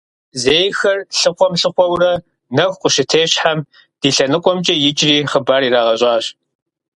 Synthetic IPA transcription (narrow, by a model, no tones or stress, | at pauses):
zeːjxɐrɬɨχʷɔmɬɨχʷɔwrɐ | nɐxʷqʷʼʊʃɪtʰeːɕħam | d̥iːɬɐnɨqʷʼɔmt͡ʃʼɐjɪt͡ʃʼriːχəbaːɾiːraːʁɐɕʼɑːɕ